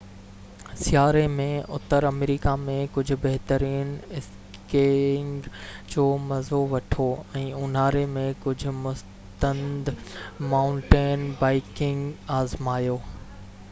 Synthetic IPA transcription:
sɪjaːɾemẽʊt̪əɾɐmɾiːkamẽkʊd͡ʑʱʊ̆bɐɦt̪əɾiːnɪs | keŋɡd͡ʑoːmɐzoʋɐʈʰoɛ̃ːʊn̤aːɾemẽkʊd͡ʑʱʊ̆mʊs | t̪ə̃nd̪maːʊ̃ɳʈeːnbaːɪkɪ̃ŋɡaːzmaːjoː

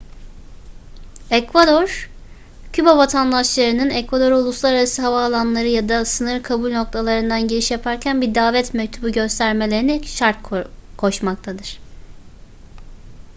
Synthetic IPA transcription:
ɛkvad̪oɾ̥ | cʰybavat̪ʰand̪aʃlˠaɾɯnɯnɛkvad̪o̞ɾulˠuslˠaɾaɾasiɦavaːlˠanlˠaɾɯjad̪asɯnɯɾkʰabulʲno̞k̚t̪ʰalˠaɾɯnd̪anɟeɾiʃjapʰaɾcʰænbiɾd̪aːvɛt̪mɛc̚t̪ʰubuɟø̞st̪ʰæɾme̞lʲe̞ɾiniʃaɾt̪̚kʰo̞ʃmakt̪ʰad̪ɯɾ̥

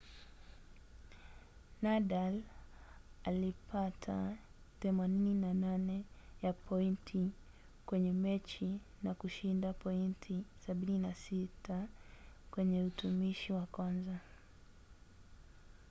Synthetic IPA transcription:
naɗal | alipatʰa | θɛmanininananɛjapʰɔintʰi | kwɛɲɛmɛt͡ʃi | nakuʃindapɔintʰisaɓininasita | kwɛɲɛutumiʃiwakwanza

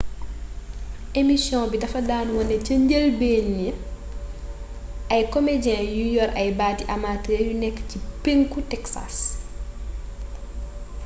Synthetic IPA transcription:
ʔemisjɔ̃ːbidɐfɐdaːnwɔnɛcəɲɟelbeːnjə | ʔɐjkɔmedɛ̃ːjujɔɾɐjbaːtiʔɐmatejunɛkːə̥cipeŋkutɛksa̰s

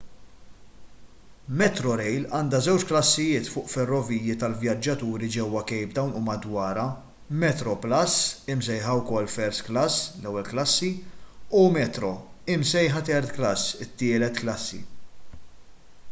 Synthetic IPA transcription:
mɛt̪ɾɔɾɛjlɐːnd̪ɐzɛwt͡ʃklɐsːɪjɪːt̪fʊːʔfɛrːɔviːjjit̪ɐlvjɐd͡ʒːɐt̪uːɾid͡ʒɛwːɐkɛjbd̪ɐwnuːmɐd̪wɐːɾɐ | mɛt̪ɾɔplɐsɪmsɛjħɐwkɔlːfɛɾsklɐslɛwːɛlklɐsːiumɛt̪ɾɔɪmsɛjħɐt̪ɛɾt̪klɐsːɪt̪ːɪːlɛt̪klɐsːḭ

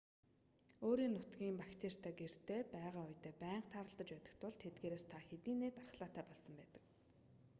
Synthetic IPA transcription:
oːɾiːnʊt̪ɡiːmpakt̪ʰeːr̥t̪ʰaːɡer̥t̪eːpæːʁaːʊjt̪eːpæːɴqt̪ʰaːɾə̆ɮt̪ə̆t͡ɕpæːt̪ə̆kt̪ʰʊɮt̪ʰet̪̚ɡeːɾeːst̪ʰaxet̪iːnːeːt̪arə̆χɮaːt̪æːpɔɮsə̆mpæːt̪ə̆k

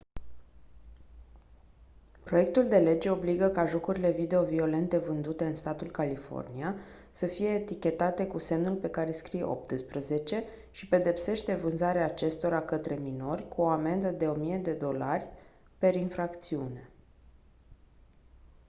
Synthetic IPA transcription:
pɾo̞jek̚t̪uld̪e̞le̞d͡ʒe̞o̞bliɡəkaʒo̞kuɾile̞vid̪e̞o̞vio̞le̞nt̪e̞vɨnd̪ut̪e̞ɨnst̪at̪ulkalifo̞̰rnia | səfije̞ːt̪ikʲe̞t̪at̪e̞kuse̞mnulpe̞kaɾe̞skɾijḛʔo̞̰p̚t̪ɨspɾəze̞t͡ʃe̞ | ʃipe̞d̪e̞pse̞ʃt̪e̞vɨnzaɾeaːt͡ʃe̞st̪o̞ɾakət̪ɾe̞mino̞rʲkuo̞ame̞nd̪əd̪e̞o̞mije̞d̪e̞d̪o̞larʲ | pe̞ɾinfɾakt̪siune̞

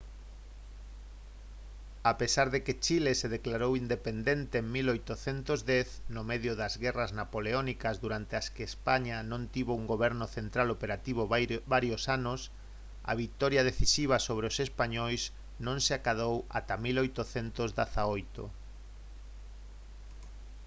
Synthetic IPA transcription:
apesaɾðeket͡ʃileseðeklaɾowind̪epend̪ent̪eŋmilojt̪oθent̪ozd̪ɛθnomeðjoðazɣɛraznapoleonikazðuɾant̪easkeːspaɲanõnt̪iβouŋɡoβɛɾnoθent̪ɾalopeɾat̪iβ̞obaɾjosanos | a̰βit̪ɔɾjaðeθisiβ̞asoβɾeosespaɲojs | nõŋseakaðowa̰t̪amilojt̪oθent̪ozðaθaojt̪o̰

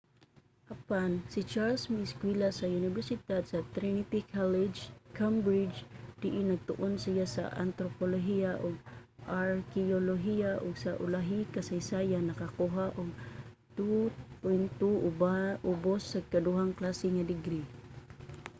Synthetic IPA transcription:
ʔapansit͡ʃaɾlsmiskwilasaunɪvɛɾsɪt̪ad̪sat̪ɾinipikʰalɪd͡ʒkʰambɾid͡ʒd̪̥ɪʔɪnaɡ̚t̪ʊ̰ʔʊnsijasa̰ʔa̰nt̪ɾopoloɦiaʔʊɡ̚aɾkioloɦiaʔʊɡsaʔʊ̰laɦikasajsajanakakuɦaʔʊɡ̚ | t̪upʊjnt̪uaʔʊbosːakad̪uɦaŋklasɪŋadɪɡɾi

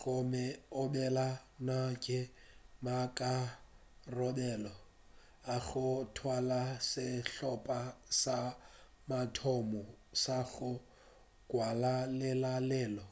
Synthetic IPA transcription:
ɣʊmɛʊbɛlanakʼɪmakʼa | rɔbɛlɔ | aɣʊtʰwalasɪɬɔpʼasa | matʰɔmɔsaɣʊ | kʼwalalɛlalɛːlɔ

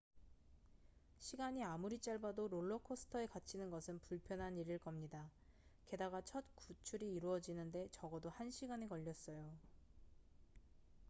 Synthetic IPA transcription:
ɕʰiɡaɲiamuɾit͡ɕ͈aɭbadoɾoɭːʌkʰosʰɯ̥tʰʌe̞kat͡ɕʰinɯnɡʌsʰɯnpuɭpʰjʌnɦaniɾiɭk͈ʌmɲida | ke̞daɡat͡ɕʰʌt̚kut͡ɕʰuɾiːɾuʌd͡ʑinɯnde̞t͡ɕʌɡʌdohanɕʰiɡaɲekʌʎːʌs͈ʌjo

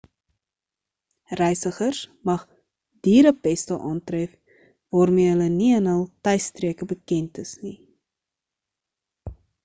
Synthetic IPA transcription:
rɛjsəχərsmɐχ | d̥iːɾəpɛstəʔɑːntrɛf | vɑːrmiəɦələniənɦəlˠtɛjstriəkəbəkɛntəsni

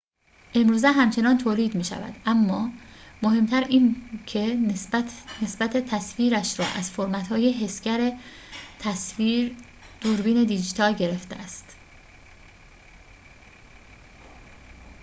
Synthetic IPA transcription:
ʔe̞mɾuːzeɦæmt͡ʃʰe̞nɒːnt̪ʰoːliːd̪miːʃæ̰væ̰d̪̥ʔæmːɒːmoɦe̞mt̪ʰæɾiːncʰe | nesbæt̪ʰet̪ʰæsfiːɾæʃɾɒ̰ːʔæz̥foɾmæt̪hɒːjeɦe̞scæɾet̪ʰæsviːɾ | d̪̥oɾbiːne̞d̪id͡ʒit̪ʰɒːlɟe̞ɾe̞ft̪eʔæst̪

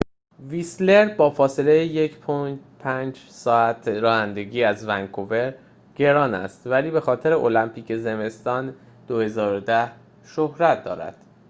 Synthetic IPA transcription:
visle̞ɾbɒːfɒːse̞lejeje̞cʰpʰopʰænd͡ʒsɒːæt̪ʰɾɒːhænd̪e̞ɡiːæzvæŋkʰove̞ɾ | ɟ̥e̞ɾɒːnæ̰st̪væliːbe̞xɒːt̪ʰe̞ɾe̞ʔo̞læmpʰiːcʰe̞ze̞me̞st̪ɒːn | d̪̥ohe̞zɒːɾod̪æh | ʃohɾæt̪̚ʰd̪ɒːɾæ̰d̪̥

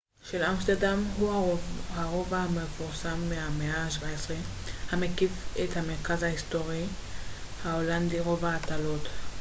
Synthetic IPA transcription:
ʃelamst̪eʁd̪amɦuhaʁo̞vamefuʁsamːeameaːʃvaesʁehamekifethame̞ʁkazhaisto̞ʁi | haolandiʁo̞vaːtalot

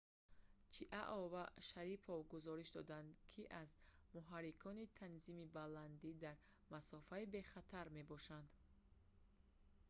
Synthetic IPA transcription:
t͡ʃʰiʔaʔɔvaʃaɾipʰɔvɡuzɔɾiʃd̪ɔ̰d̪and̪kʰiʔaz | muɦaɾikʰɔnit̪ʰanzimibaland̪id̪aɾ | masɔfaibe̞χat̪ʰaɾme̞bɔʃand̪

